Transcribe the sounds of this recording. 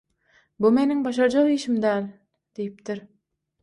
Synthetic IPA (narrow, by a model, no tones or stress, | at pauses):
bume̞niŋbɑʃ̬ɑɾd͡ʒɑʁiːʃimd̪æːlʲ | d̪̥ejip̚t̪iɾ